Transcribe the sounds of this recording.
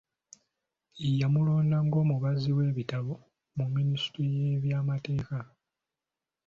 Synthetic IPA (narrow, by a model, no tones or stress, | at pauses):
ijamulo̞ːndaŋɡo̞ːmuβaziwe̞ːβitaβo | mumːinisi̥tɾije̞ːβjaːmate̞ːka